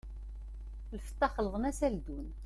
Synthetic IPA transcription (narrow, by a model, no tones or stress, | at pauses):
ləfə̥t̪ˤːɑχələʁˤənæsæld̪un